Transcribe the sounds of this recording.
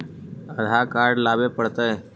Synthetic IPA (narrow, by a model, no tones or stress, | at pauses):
əd̪ʱakaɾɖlabepəɽt̪əj